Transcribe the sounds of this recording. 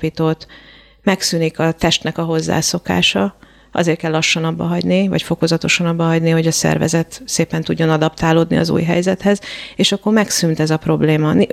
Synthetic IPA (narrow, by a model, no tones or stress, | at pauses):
piːt̪oːt̪ | mɛksynikɒt̪ɛʃt̪nɛkɒɦo̞zːa̰ːso̞ka̰ːʃɒ | ʔɒ̰zeːrt̪kɛlːɒʃːɒnɒbːɒɦɒɟnivɒ̰cfo̞ko̞zɒt̪o̞ʃɒnɒbːɒɦɒɟniho̞ɟɒsɛ̰rvɛ̰zɛt̪seːpɛnt̪uɟːo̞nɒd̪ɒpt̪aːloːd̪nḭɒ̰zṵːjɦɛ̰jzɛt̪hɛzeːʃɒkːo̞rmɛksynt̪ɛzɒpro̞bleːmɒn